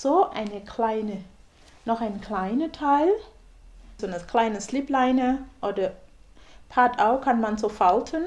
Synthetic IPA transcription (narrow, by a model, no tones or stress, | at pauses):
zoːʔa̰ɪnəkʰl̥aɪnə | nɔχaɪnkʰl̥aɪnətʰaɪl | zoːnəkl̥aɪnəslɪplaɪnəʔoːdɐ | pʰaɐtaʊkʰanmanzoːfaltʰən